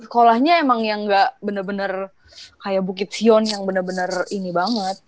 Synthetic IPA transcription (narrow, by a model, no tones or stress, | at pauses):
sə̥kolahɲaemaŋjaŋɡaʔbənərbənər | kajabukɪt̪̚siɔnjaŋbənərbənərinibaŋət̪̚